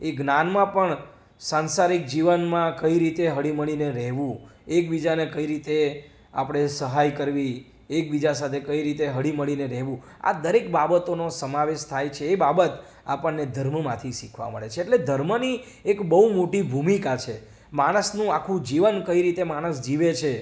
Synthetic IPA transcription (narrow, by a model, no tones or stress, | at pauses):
eɡnanmãpəɳ | sansaɾik̚d͡ʒiʋənmãkəiɾit̪eɦəɭiməɭineɾɛɦʋũ | ek̚bid͡ʒanekəiɾit̪e | a̰pɽ̃esəɦajkəɾʋi | ek̚bid͡ʒasat̪ʰekəiɾit̪eɦəɭiməɭineɾɛɦʋũ | a̰d̪əɾekbabət̪onosəmaʋeʃt̪ʰajt͡ʃʰeːbabət̪ | a̰pəɳːed̪ʱəɾməmãt̪ʰiʃikʰʋa̰mə̰ɭet͡ʃʰeːʈled̪ʱəɾməni | ekbəɦumoʈibʱumikat͡ʃʰe | maɽ̃əsnũakʰũd͡ʒiʋənkəiɾit̪emaɽ̃əsd͡ʒiʋet͡ʃʰe